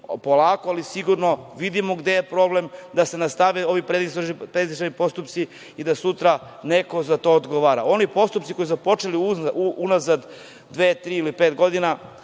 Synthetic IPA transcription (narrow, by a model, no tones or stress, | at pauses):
po̞laːkoalisiɡuɾno̞ʋid̪imoɡd̪e̞jepɾo̞ble̞md̪ase̞nast̪aʋeo̞ʋipɾed̪isoʒipɾeizʃanipo̞st̪upt̪si | id̪asut̪ɾa | ne̞ko̞zat̪o̞od̪ɡo̞ʋaɾa̰o̞nipo̞st̪upt̪siko̞jizapo̞t͡ʃeliuuunazad̪ | d̪ʋeːt̪ɾiːilipeːt̪ɡo̞d̪ina